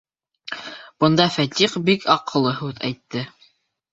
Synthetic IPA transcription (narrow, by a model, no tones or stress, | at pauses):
b̥ɤ̆nd̪ɑfæt̪ʲiqbikʰɑqɤ̆lˠɤɦʉðæ̰jt̪ːɘ